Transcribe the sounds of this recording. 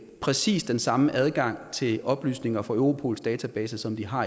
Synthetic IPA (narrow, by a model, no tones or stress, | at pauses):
pʰʁɛsḭːsd̥ensɑ̈məʔæð̞ˠɡ̥ɑ̈ŋ̰t͡sʰe̝lʔɒ̽b̥ly̰ːsne̝ŋɐfɒøʊʁo̝pʰo̝̰ːl̩sd̥ɛːt͡sʰæb̥ɛːsəsɒ̽md̥iɦɑ̈